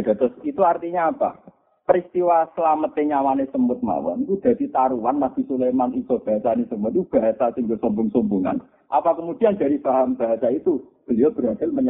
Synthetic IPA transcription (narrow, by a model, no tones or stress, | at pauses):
d̥at̪ɾʊsit̪uart̪iɲaːpa̰ | pəɾist̪iwasəlamət̪eɲawanesəmʊt̪̚ma̰wa̰nk̪ud̪̥a̤d̪it̪aɾuwanːab̥i̤sulejmanisɔb̥a̤ɦasanesəmʊt̪ub̥a̤ɦasasiŋɡosɔmbʊŋsɔmbuŋa̰n | ʔa̰pakəmud̥ianda̤difaɦamb̥a̤ɦasait̪ub̥əliɔb̥əɾɦad̥alməɲ